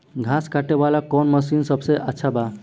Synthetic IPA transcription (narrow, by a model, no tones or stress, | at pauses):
ɡʱaskaʈebalakɔnməsinsəbseʔətːʃʰaba